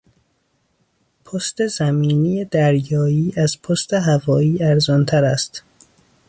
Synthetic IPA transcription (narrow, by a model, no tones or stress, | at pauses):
pʰost̪e̞zæmiːnijed̪æɾjɒːiːʔæzpʰost̪e̞ɦævɒːiːæɾzɒnt̪ʰæɾæst̪